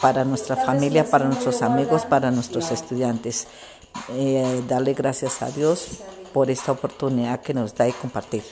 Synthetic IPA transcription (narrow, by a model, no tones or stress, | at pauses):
paɾanwest̪ɾafamiljapaɾanwest̪ɾosamiɣospaɾanwest̪ɾosest̪uðjant̪es | d̪aleɣɾasjasa̰ðjospoɾe̞st̪aopo̞ɾt̪uniðaðkenozd̪aiko̞mpaɾt̪iɾ